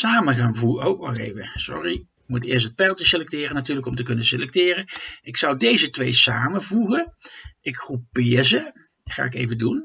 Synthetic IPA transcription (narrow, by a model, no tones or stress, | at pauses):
saːməɣaːnvuowkɑlḛjvəsɔ̰riɪkmutɪːɹstɦət̚pɛlˠtəselɛk̚tɪːrənatyːɹləkɔmtəkɵnəselɛk̚tɪːrənʔɪksʌwdejzətʋejsaːmənvuɣəɪkχrupɪːɹzə | χa̰ːɪkejvədun